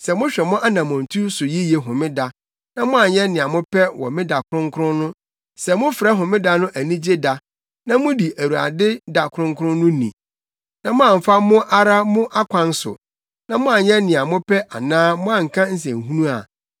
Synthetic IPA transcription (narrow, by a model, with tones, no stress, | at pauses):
sɛ˨mʊ̃˦ɕᶣɛ˨mʊ̃˦ʔa˦nã˨mɔ̃˨n̩˨tʰu˦sʊ˨ji˦je˨ɦʊ̃˨mɪ̃˦da˦ | nã˦mʊ̃˦a˨ɲɛ̃˦nɪ̃˨a˨mʊ̃˦pʰɛ˦wɔ̰˨mɪ̃˦da˨kʰʊ˦ɾʊ̃˦ŋ˦kʰʊ˦ɾʊ̃˦nʊ̃˦ | sɛ˨mʊ̃˦fɾɛ˦ɦʊ̃˨mɪ̃˦da˦nʊ̃˦ʔæ˨nĩ˦d͡ʑe˦da˨ | nã˦mʊ̃˦di˨ʔæ˨wu˨a̰˨dɪ˦da˨kʰʊ˨ɾʊ̃˦ŋ˦kʰʊ˦ɾʊ̃˦nʊ̃˦nḭ̃˨ | nã˨mʊ̃˦ã˨m̩˨fa˦mʊ̃˦ʔa˦ɾa˦mʊ̃˦ʔa˦kʷʰã˨n˦sʊ̰˨ | nã˦mʊ̃˦a˨ɲɛ˦nɪ̃˨a˨mʊ̃˦pʰɛ˦ʔa˨nãː˦mʊ̃˦ã˨ŋ̩˨kʰã˦n̩˦s̬ɛ̰̃˨ŋ˨ɦũ˦nũ˦a̰˨